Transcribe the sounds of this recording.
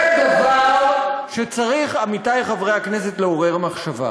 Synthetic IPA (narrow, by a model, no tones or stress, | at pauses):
kavalʃet͡saʁiχamitajχavʁejaknes̬e̞tleoʁeʁamaχʃava̰